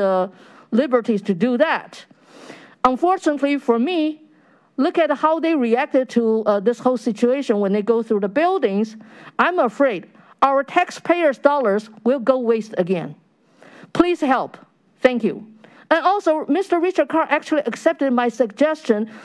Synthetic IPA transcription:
ə | lɪbə˞ɾiz̥tʰɨdɨðæt | ə̃nfɔɹt͡ʃɨnətˡlifə˞mi | lʊkɨt̚haʊðeɪɹiæk̚tɨd̚tʰəðɪshoʊlˠsɪt͡ʃueɪʃɨ̃nwə̃nðeɪɡoʊθɹuðəbɪlˠdɪ̃ŋzãɪ̃məfɹeɪd | aʊə˞tʰækspʰeɪə˞zdɔlˠə˞zwɪlˠɡoʊweɪstɨɡɛ̰̃n | pʰl̥iz̥hɛlˠp | θæ̃ŋkjʉ̰ | ə̃nɔlˠsoʊmɪstə˞ɹɪt͡ʃə˞d̚kʰɑɹʔæk̚t͡ʃul̩ˠiʔɨksɛp̚tɨd̚maɪsɨɡ̚d͡ʒɛst͡ʃɨ̃n

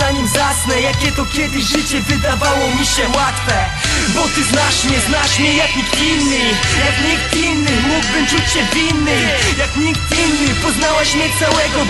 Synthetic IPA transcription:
aɲimzasnɛjakʲɛt̪ɔkʲjɛd̪ɘɕʐɘt͡ɕɛvɘd̪avawɔmʲiɕɛwat̪fɛ | bɔt̪ɘznaʂɲʲɛznaʂmʲɛjakʲiinːɨjakɲik̚t̪inːɨmuɡbɘmt͡ʂut͡ɕɕɛvʲinːɨ | jakɲik̚t̪inːɨpɔznawaɕmʲɛt̪sawɛɡɔ

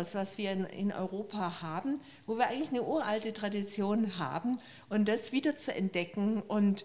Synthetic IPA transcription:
sv̥asv̥iːɐɪnɪ̰nʔɔ̰ʏʁoːpʰahaːbm̩ | voːviːɐaɪɡŋ̩tlɪçnəʔuːɐʔaltətʁ̥adit͡sjoːnɦa̰ːbm̩ | ʔʊmd̥asv̥iːdɐt͡suɛ̰nt̚d̥ɛkŋ̩ʔʊnt

